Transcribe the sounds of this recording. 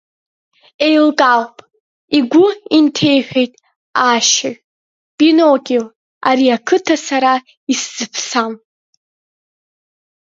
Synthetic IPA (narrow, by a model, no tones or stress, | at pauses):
e̞jlkʼalpʼ | iɡʷʊintʰe̞jħᶣejtʼ | aʃaɥ | pʼinokʲʼil | aɾiakʰɨtʰasaɾa | iszɨpʰsam